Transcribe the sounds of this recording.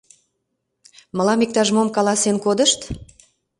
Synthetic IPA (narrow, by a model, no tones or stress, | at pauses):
mə̆lɑmik̚t̪ɑʒmomkɑlɑsenkod̪əʃt̪